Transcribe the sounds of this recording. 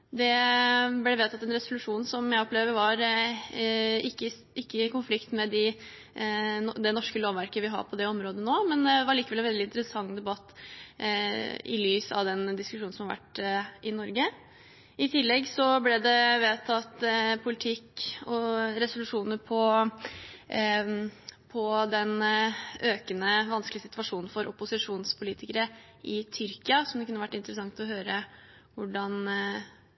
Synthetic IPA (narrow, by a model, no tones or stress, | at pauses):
d̪ɛblɛʋeːt̪ʰɑt̪ːɛnɾɛsʊlʉʂuːnsɔmjæɪɔpleːʋəɾʋɑɾ | ɪkːə | ɪkːəɪkʊnflɪkt̪mɛd̪ɪ | d̪ɛnɔʂkəloːʋʋæɾkəʋɪɦɑ̰ɾpʰɔd̪ɛɔmɾoːd̪ənoːmɛnd̪ɛʋɑɾɭiːkəʋɛlɛnʋɛld̪ɪnt̪əɾəsɑŋːd̪ɛbɑt̪ː | ɪ̰lyːsɑ̰ʋd̪ɛnd̪ɪskʉʂuːn̩sɔmhɑɾʋæ̰ʈːʔɪnɔɾɡə | ɪt̪ʰɪlːɛɡsɔblɛd̪ɛʋeːt̪ʰɑt̪pʰʊlɪt̪ʰɪkɔɾɛsʊlʉʂuːnəɾpʰɔ | pʰɔd̪ɛn | øːkənəʋɑnskəlɪəsɪt̪ʰʋɑʂuːnn̩fɔɾʔʊpʊsɪʂuːnspʰʊliːt̪ɪkəɾə | ʔɪt̪ʰʏɾkɪɑsɔmd̪ɛkʰʉnːəʋæʈːɪnt̪əɾəsɑŋt̪ɔɦøːɾə | ʋʊɖɑn